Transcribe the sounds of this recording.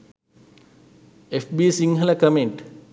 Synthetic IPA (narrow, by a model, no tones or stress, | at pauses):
efbiːsiŋɦəlɐkəmeɳʈ